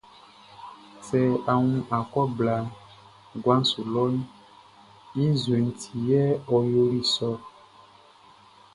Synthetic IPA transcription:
sɛ˨a˨ŋũ˦ʔa˨kɔ˦bla˨ | ɡwa˦n˦su˨lɔ˦ | i˦zwe˨n̩˨tʰi˨jɛ˦ɔ˨jo˦li˦sɔ˦

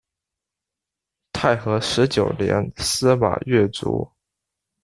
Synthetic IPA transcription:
t̪ʰa˥˩ɪxɤ˧˥ʂɻ̩˧˥t͡ɕjo˨˩ʊljɛ̰˧˥nsɹ̩˥ma̰˨˩ɥɛ˥˩t͡sṵ˧˥

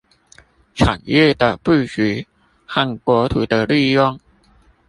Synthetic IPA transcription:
ʈ͡ʂʰa̰˨˩njɛ˥˩d̪ə˨pu˥˩ɕy˨˧˦ | xa˥˩nkwɔ˧˥t̪ʰu˨˥˦d̪ə˧li˥˧jɔ˥˩ŋ

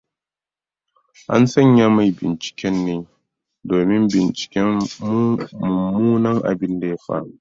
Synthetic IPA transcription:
ʔa̰˦nsɐ˦˨ɲja˦ma˨jbɪ̰˨nt͡ʃɪ̥˨kʲɛ˦nːeː˦ | doː˨mɪ˦mbɪ˨nt͡ʃɪ̥˨kʲɛ˦m˦ | mu˨muː˦nɐ˦ŋʔa̰˨bɪ˦nda˨ja˦ɸa̰˦ʔ

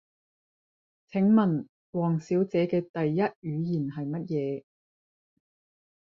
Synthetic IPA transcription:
t͡sʰɪ˨˥ŋmɐ˨˩n | wɔː˨˩ŋsiː˨˥wt͡sɛː˨˥kɛː˧t̪ɐ˨jːɐ˥t̚jyː˨˧jiː˨˩nɦɐ˨jmɐ˥t̚jɛː˨˧

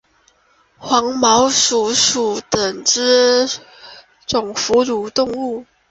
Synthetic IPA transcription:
xwɑ˧˥ŋmɑ˧˥ʊʂu˨˩ʂu˨˩t̪ə˨˩ŋʈ͡ʂɻ̩˥ | ʈ͡ʂʊ˨˩ŋfu˧˥lu˨˩t̪ʊ˥˧ŋu˥˩

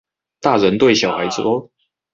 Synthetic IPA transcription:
t̪a˥˨ɻə˧˦nt̪we˥˨ɪɕjɑ˨˩ʊxa˧˦ɪt͡sɔ˥

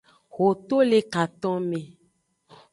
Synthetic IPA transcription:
ɣo˨t̪o˦le˦ka˨t̪ɔ̃˦mẽ˨

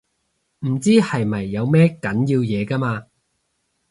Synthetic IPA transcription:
m̩˨˩t͡siː˥hɐ˨jmɐ˨jːɐ˨˧wmɛː˥kɐ˨˥njiː˧wjɛː˨˧kɐ˥maː˧

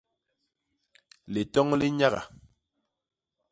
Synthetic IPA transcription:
li˨tɔ˦ŋli˦ɲa˦ɣa̰˨

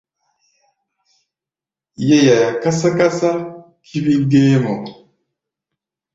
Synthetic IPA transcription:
je˦ja˨ja˨ka˦sa˦ka˦sa˦ | kʰi˦βi˦ɡeː˦mo˨

